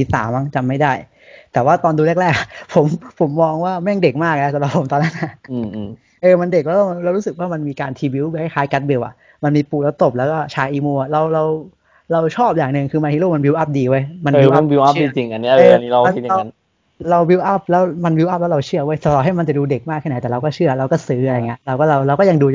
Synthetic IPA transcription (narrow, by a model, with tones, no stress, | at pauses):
iː˧˩sa̰ː˩˦mːa˦˥˩ŋt͡ɕa˧˩mːa˥˩jdaː˥˩j | t̪ɛː˨˩waː˥˩t̪ɔː˧nduː˧li˥˩ək̚ɾɛː˥˩k̚a˨˩pʰo˩˦mpʰo˩˦mːɔː˧ŋwaː˥˩mɛ˥˩ŋde˨˩k̚maː˥˩k̚so˨˩˦mla˨˩pʰo˩˦mt̪ɔː˧nːa˦˥nʔa˧˩ɯ˧ | ʔɤː˧ma˧nde˨˩k̚lɛː˦˥ɔ˥˩˧lɛː˧˦˥wɾuː˦˥sɯ˨˩k̚waː˥˩ma˧nmiː˧kaː˧nt̪ʰi˧bi˧˦wha˥˩jkʰaː˦˥jka˦˥t̪̚bi˧wʔa̰˨˩ʔ | ma˧nmiː˧puː˨˩lɛː˦˥wt̪o˨˩p̚lɛː˦˥kɔː˥˩t͡ɕʰaː˧jʔiː˧muː˧a˨˩ɾa˧wɾa˧w | ɾa˧wt͡ɕʰɔː˥˩p̚jaː˨˩ŋnɯ˨˧ŋkʰɯː˧ma˧hʰi˥˩lu˥˩ma˧bwi˧wʔa˦˥˩p̚diː˧wa˦˥jma˧nwːa˧nwi˧wʔa˧˦˥iː˧t͡ɕi˧ŋʔa˧nːi˦˥ɤː˧a˧ni˦˥ɾa˧ma˧i˧˨a˧˨a˧n | ɾa˧wwi˧wʔa˦˥˩p̚lɛː˦˥wma˧nwi˧wʔa˦˥˩p̚ɛː˦˥ɾa˧wt͡ɕʰɯ˥˩ɐwa˦˥˩jsa˧˩lɔː˨˩t̚ha˥˩jma˧nt͡ɕa˨˩duː˧de˨˩k̚maː˥˩kʰːɛ˥˩a˨˦jt̪ɛː˨˩ɾa˧wkɔ˥˩t͡ɕʰɯ˥˩ɐɾa˧wkɔː˥˩sɯː˦˥ʔa˧ajŋi˦ɐ˥˧ɾa˧wkɔː˥˩ɾa˧wɾa˧wkɔː˥˩ja˧ŋduː˧˨